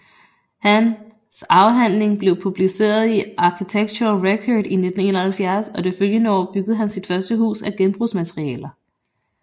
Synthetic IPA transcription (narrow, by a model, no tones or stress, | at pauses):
hæn | sɑ̈ʊɦæn̰le̝ŋb̥le̝ʊpʰub̥lise̝̰ːɐðˠiɑ̈kʰit͡sʰeɡ̥̚t͡sʰuɐlʁekʰɒd̥ine̝d̥n̩e̝̰ːnɐhælfjæɐsɒ̽d̥e̝føljənəɒ̰ːb̥yɡ̥əð̞̩ˠɦænsid̥fɶɐsd̥əɦṵːsæɡ̥enb̥ʁusmæt͡sʰʁiɛ̰ːlɐ